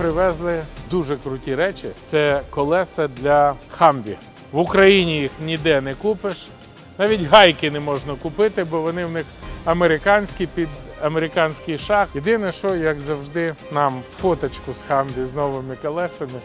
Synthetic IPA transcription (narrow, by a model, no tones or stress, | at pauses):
pɾɪʋɛzlˠɪd̪uʒɛkɾʊtʲiɾɛt͡ʃʲɪ̰t̪sɛkɔlˠɛsɐd̪lʲɐxɑmbʲḭ | ʋʊkɾɐjinʲijixnʲid̪ɛnɛkupɪʃ | nɑʋʲitʲɦɑjkɪnɛmɔʒnɐkʊpɪt̪ɪbɔʋɔnɪwnɪxɐmeɾɪkɑnʲsʲkʲipʲid̪ɐmeɾʲɪkɑnʲsʲkɪjʃɑxjed̪ɪnɛʃɔjɐkzɐwʒd̪ɪnɑmfɔt̪ɐt͡ʃkʊsxɑmbʲiznɔʋɪmɪkɔlˠɛsɐmɪ